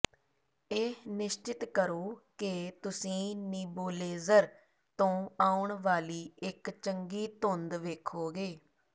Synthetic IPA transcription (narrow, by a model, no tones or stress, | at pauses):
eːnɪʃt͡ʃɪt̪kəɾoːkɪt̪ʊsĩːniːboːleːzəɾ | t̪õːaːʊɳʋaːliːɪkt͡ʃəŋɡiːt̪ʊnd̪ʋeːkʰoːɡeː